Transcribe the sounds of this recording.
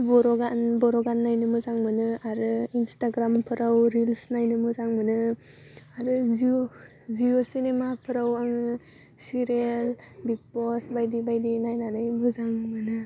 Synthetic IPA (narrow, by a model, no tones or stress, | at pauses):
bɔɾɔɡanbɔɾɔɡanːajnɯmɯzaŋmɯnɯaɾɯinstaɡɾampʰɯɾawɾilsnajnɯmɯzaŋmɯnɯ | aɾɯzi | ziosinemapʰɯɾawanɯ | siɾelbik̚pɔsbajdibajdinajnanajmɯzaŋmɯnɯ